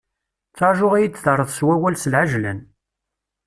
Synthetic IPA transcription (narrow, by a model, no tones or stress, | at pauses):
t͡sːɑɾʒʊʁæjit͡s̪ːθəɾˤːəðˤswæwælsəlʕaʒlæn